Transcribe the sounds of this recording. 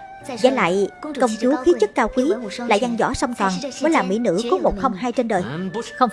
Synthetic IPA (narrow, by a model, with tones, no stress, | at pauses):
zə̰˧˩˦la̰ː˧˨jkə˧wŋ͡mt͡ɕu˨˦xi˨˦t͡ɕə˦˥t̚kaː˧wkwi˨˦la̰ː˧˨jza˧ŋzɔ̰˧˥sa˧wŋ͡mt̪ɔː˨˩nmɔː˨˦jlaː˨˩mḭ˧˥nɨ̰˧˥kɔ˨˦mo˨˩t̚xə˧wŋ͡mhaː˧jt͡ɕe˧nɗəː˨˩jə˧w